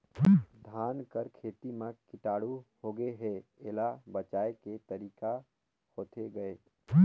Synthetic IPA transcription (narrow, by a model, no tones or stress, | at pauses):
d̪ʱaːnkəɾkʰeːt̪imekɪʈaːɽuhoɡəeɦɛeːlabət͡ʃaːeket̪əɾiːka | hoːt̪ʰeɡɐeː